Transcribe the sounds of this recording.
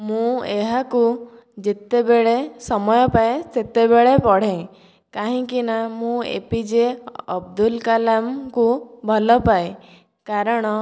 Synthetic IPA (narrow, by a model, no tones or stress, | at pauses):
mũeɦaku | d͡ʒet̪ebeɭesɔmɔjɔpajset̪ebeɭepɔɽ̤ẽj̃ | kaɦĩkinamũḛpid͡ʒeɔbd̪ulkalamkubʱɔlɔpae | kaɾɔɽ̃ɔ